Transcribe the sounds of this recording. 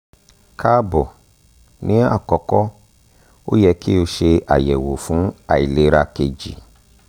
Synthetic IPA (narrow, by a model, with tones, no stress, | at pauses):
kʰa˦bɔ˨ | nĩ˨˦a̰˦˨kɔ˨kɔ˦ | o˦jɛ˧ki˦o˧ʃe˧a̰˨jɛ˨wo˨fũ˨˦a̰˦˨i˨le˨˦ɾa˧ke˧d͡ʒḭ˨